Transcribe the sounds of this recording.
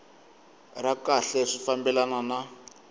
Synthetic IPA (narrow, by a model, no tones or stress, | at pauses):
rakaɬɛʂifambɛlanana